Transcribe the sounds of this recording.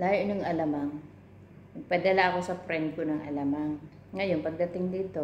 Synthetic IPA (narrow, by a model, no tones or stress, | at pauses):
laːjnoŋɐlɐmaŋ | nɐɡ̚pɐd̪ɐlaʔɐko̞sɐfɾɛnd̪̚konɐŋʔɐ̰lɐmaŋː | ɐjo̞npɐɡ̚d̪ɐt̪ɪŋd̪iːt̪o̞